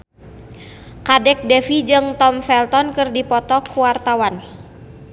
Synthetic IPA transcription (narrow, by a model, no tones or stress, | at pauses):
kadɛk̚dɛfid͡ʒɨŋt̪ɔmfɛlt̪ɔnkɨrdipɔt̪ɔkuwart̪awan